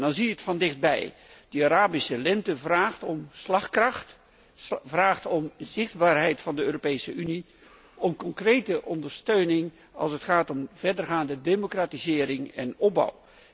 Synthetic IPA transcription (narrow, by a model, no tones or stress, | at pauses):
dɑnzijəətfɑndɪχd̚bɛ̰j | d̥əaɾaːbisəlɛntəvraːχtɔmslɑχkrɑχt | vraːχtɔmzɪχdbaːɹɦɛjtfɑndəøːropejsəʔyni | ɔmkɔŋkrejtəʔɔndəɹstøɥnɪŋ | ɑ̰lˠsətχaːtɔmvɛɹdərχaːndədemokraːtizɪːɾɪŋɛ̰nɔb̚ɑ̰w